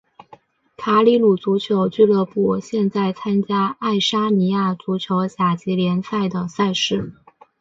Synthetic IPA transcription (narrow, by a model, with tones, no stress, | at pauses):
k̪ʰa˧˥li˧˥lu˨˩t͡su˧˥t͡ɕʰjo˧˥ʊt͡ɕy˥˧lɤ˥˧pu˥˩ɕjɛ˥˧nt͡sa˥˩ɪt͡sʰa˥nt͡ɕja˥a˥˩ɪʂa˥ni˧˥ja˥˩t͡su˧˥t͡ɕʰjo˧˥ʊɕja˨˩t͡ɕi˧˥ljɛ˧˥nsa˥˩ɪd̪ə˩sa˥˧ɪʂɻ̩˥˩